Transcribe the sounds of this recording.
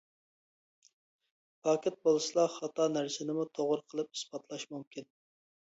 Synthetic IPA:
pʰɑkʲɪt̪̚bolˠɨslˠɑχɑt̪ɑnæɾsɪnɪmut̪ʰoʁʊɾqʰəlˠɨp̚hi̥sbɑt̪ʰlˠɑʃmumkʲin

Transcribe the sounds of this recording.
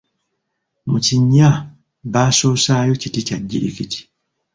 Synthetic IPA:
mut͡ʃiɲːa | baːsoːsajot͡ʃitit͡ʃaɟːiʔḭkiti̥

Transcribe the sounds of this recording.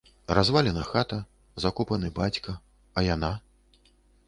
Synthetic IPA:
razvalʲɛnɐxat̪ɐ | zakupɐnɨbat͡sʲkɐ | ɐjana

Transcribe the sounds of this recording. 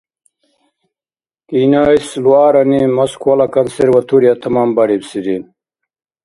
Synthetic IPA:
kiːnaːisluaːɾɐnimɐskʰuwɐlɐkɐnseɾwɐt̪ʰuɾjat̪ʰɐmaːmbɐɾibsiɾin

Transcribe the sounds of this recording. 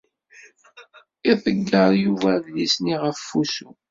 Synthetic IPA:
iθəɡːəɾˤjuvæðlisniʁəfːusu

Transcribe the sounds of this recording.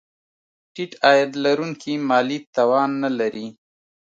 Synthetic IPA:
ʈiʈɑjad̪laɾuŋkʰimɑlit̪ɑwɑnːalaɾi

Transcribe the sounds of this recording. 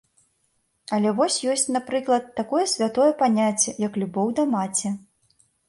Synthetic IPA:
ɐlʲɛvɔsʲjɔsʲt͡sʲnapɾɨklˠɐt̪ːakɔjɛsʲvʲat̪ɔjɛpanʲat͡sʲːɛjɐklʲubɔwd̪ɐmat͡sʲɛ

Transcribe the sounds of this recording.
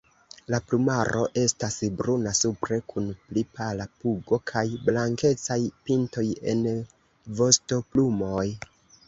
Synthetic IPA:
laplumaɾʔo̞ʔe̞stasbɾunasupɾe̞kʰunplipalapuɡo̞kʰajblaŋke̞t͡sajpinto̞je̞̰n | vo̞sto̞plumo̞j

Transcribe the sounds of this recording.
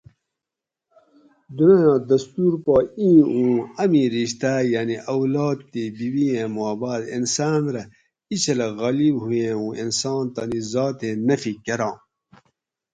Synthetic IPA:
d̪unɐjãːd̪ɐst̪uːɾpaːĩːũːɐmĩːɾiɕt̪aːjaːniʔɐwlaɑːd̪̚t̪eːbiwiẽːmaːbaːd̪ḭnsaːnɾɐ | it͡ɕɐlɐɣɐlibɦujẽũːinsɑːnt̪ɐnizɑːt̪ẽːnɐfikɐɾɑ̃ː

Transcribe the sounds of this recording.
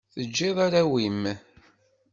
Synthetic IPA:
θəd͡ʒːeðˤaɾæwim

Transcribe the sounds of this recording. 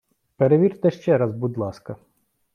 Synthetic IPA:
peɾeʋʲirt̪ɛʃt͡ʃɛɾɐzbud̪lˠɑskɐ

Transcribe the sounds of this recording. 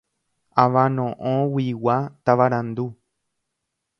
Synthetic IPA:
aʋãnõʔõwiwat̪aʋaɾãnd̪u

